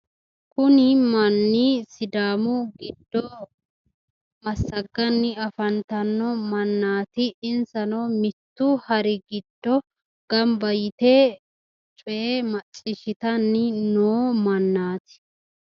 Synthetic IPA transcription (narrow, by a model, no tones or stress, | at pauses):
kʊnɪmɐnːiːsɪd̪aːmʊɡɪd̪ːɔ | mɐsːɐɡːɐnːɪɐfɐnt̪ɐnːɔmɐnːaːt̪ɪɪnsɐnɔmɪt̪ːʊhɐɾɪɡɪd̪ːɔ | ɡ̥ɐmbɐjɪt̪e | t͡ʃʼʊʔemɐt͡ʃʼːɪʃɪt̪ɐnːɪnoːmɐnːaːt̪ɪ̥